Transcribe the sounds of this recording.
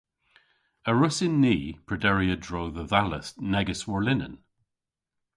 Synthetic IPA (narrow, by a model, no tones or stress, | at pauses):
əɹʊsɪnːiːpʰɹ̥ədɛɹiədɹoːðəðaləsnɛɡəswɔɹlɪnə̰̃n